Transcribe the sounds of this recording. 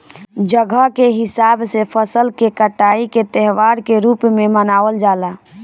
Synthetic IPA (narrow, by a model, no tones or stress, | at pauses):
d͡ʒəɡʱəkeɦɪsaːbsepʰəsəlkekəʈaːiket̪ɛɦʋaːɾkeɾuːpmẽmənaːʋəld͡ʒaːla